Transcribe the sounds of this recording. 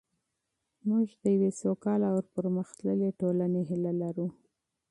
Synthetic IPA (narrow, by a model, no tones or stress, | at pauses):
muʒd̪əjawesokɑlawəɾpəɾməxt̪ləleʈolaneɦɪlalaɾu